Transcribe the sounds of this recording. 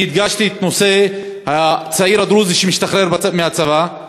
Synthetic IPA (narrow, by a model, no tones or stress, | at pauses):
id̪ɡaʃt̪iet̪no̞se̞ | hat͡saiɾad̪ɾuziʃemiʃt̪aχɾeɾbameat͡sava